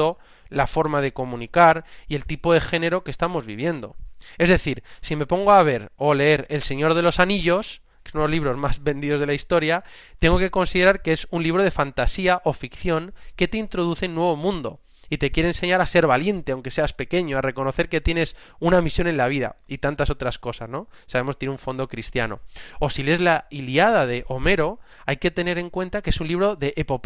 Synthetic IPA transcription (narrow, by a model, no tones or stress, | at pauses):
o̞ | lafo̞ɾmað̞e̞ko̞mũnikaɾie̞lt̪ipo̞ðe̞xe̞ne̞ɾo̞ke̞st̪amo̞zβḭβ̞je̞nd̪o̞̰e̞zðe̞θiɾsime̞po̞ŋɡoaβ̞e̞ɾo̞le̞e̞ɾe̞lse̞ɲo̞ɾð̞e̞lo̞saniʎo̞s | kesonloliβɾo̞zmazβe̞nd̪iðo̞zðe̞laist̪o̞ɾja | t̪e̞ŋɡo̞ke̞ko̞nsiðe̞ɾaɾkeesunliβ̞ɾo̞ð̞e̞fant̪asiaʔo̞fikθjo̞ŋke̞t̪e̞int̪ɾo̞ð̞uθenːwe̞β̞o̞mũnd̪o̞̰ | it̪ekje̞ɾense̞ɲaɾase̞ɾβalje̞nt̪e̞awŋke̞se̞aspe̞ke̞ɲoare̞ko̞no̞θeɾke̞t̪je̞ne̞sunamisjo̞ne̞nlaβ̞iða̰it̪ant̪aso̞t̪ɾasko̞sa̰sno̞ | saβe̞most̪jeneũɱfo̞nd̪o̞kɾist̪ja̰no̞̰o̞sile̞zlailiað̞aðe̞ʔo̞me̞ɾo̞ | ajke̞t̪e̞ne̞ɾe̞ŋkwe̞nt̪akeesunliβ̞ɾo̞ðe̞ʔːpo̞p